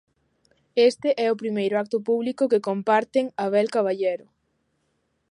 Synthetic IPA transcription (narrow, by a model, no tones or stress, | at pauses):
est̪eʔɛʊpɾimejɾʊak̚t̪ʊpuβlikʊkekompaɾt̪eŋaβɛlkaβ̞aʎeɾʊ